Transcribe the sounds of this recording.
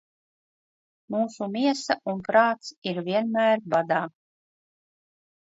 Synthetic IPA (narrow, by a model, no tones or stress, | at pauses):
muːsumʲiɛsaʔunpɾɑːt̪siɾvʲiɛnmæːɾbad̪aː